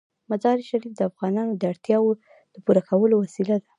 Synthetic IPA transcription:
mazɑɾiʃaɾifd̪əafɣɑnɑnod̪əaɽt̪jɑwo | d̪̥əpuɾakʰawəlowasilad̪a

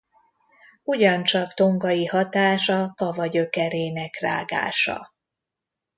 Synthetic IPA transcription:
uɟɒnt͡ʃɒkt̪o̞ŋɡɒjihɒt̪aːʃɒkɒvɒɟøkɛɾeːnɛkra̰ːɡa̰ːʃɒ̰

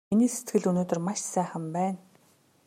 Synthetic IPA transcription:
iniːse̥t̪ɡɘ̆ɮɵnoːt̪ɵ̆rmaʃsæːχə̆mpæːn

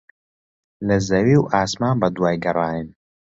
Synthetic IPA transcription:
lɐzɐwiːwʔaːsmaːnbɐd̪waːjɡɐrˤɑːjən

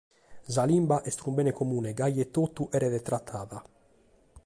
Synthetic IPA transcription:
zalimbaʔɛst̪ɾumbɛːnekomuːneɡajːet̪ːot̪ːuʔɛːɾed̪et̪ɾat̪ʰːaːða

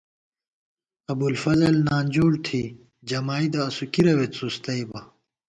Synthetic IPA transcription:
ɐbulfɐzɐlnaːnʲd͡ʑoːɽt̪ʰi | d͡ʑɐmaːid̪ɐːsukiɾɐwet̪sust̪ɐibɐ

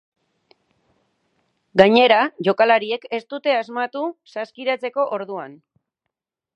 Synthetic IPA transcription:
ɡaɲe̞ɾaʝo̞kalaɾie̞ke̞st̪ut̪e̞azmat̪usaskiɾat͡se̞ko̞ʔoɾðuan

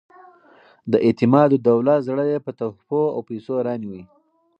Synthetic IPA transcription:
d̪əʔɪt̪ɪmɑd̪od̪awlat̪zɽəd̪epət̪ahpoa̰wpesoɾɑniwi

